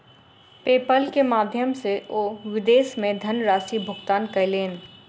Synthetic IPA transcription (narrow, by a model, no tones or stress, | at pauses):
peːpəlkemaːd̪ʱjəmseoːʋɪd̪eːsmẽd̪ʱɐnɾaːsibʱʊɡt̪aːnkɐjleːn